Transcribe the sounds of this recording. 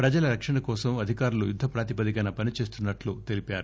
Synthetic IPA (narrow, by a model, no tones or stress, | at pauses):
pɾɐd͡ʒɐlɐɾɐkʂɐɳɐkɔːsɐmɐd̪ʱikaːɾulujud̪ʱːɐpɾaːt̪ipɐd̪ikɐnɐpɐnit͡ʃe̞ːs̬t̪unːɐʈlut̪e̞lipaːɾu